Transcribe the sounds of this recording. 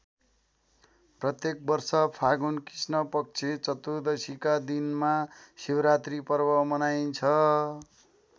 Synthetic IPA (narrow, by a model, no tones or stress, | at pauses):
prʌt̪jek̚bʌrsʌpʰaɡunkrisnʌpʌk̚t͡sʰet͡sʌt̪ud̪ʌsikad̪inmasiwɾat̪ripʌrbʌmʌnajnt͡sʰʌ